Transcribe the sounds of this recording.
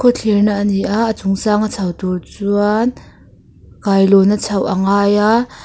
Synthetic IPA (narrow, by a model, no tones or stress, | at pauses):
kʰɔt͡ɬʰirnaʔniʔaʔːt͡sʊŋsaːŋat͡sʰɐwt̪urt͡suan | kajlɔnat͡sʰɐwʔaŋaːjaʔ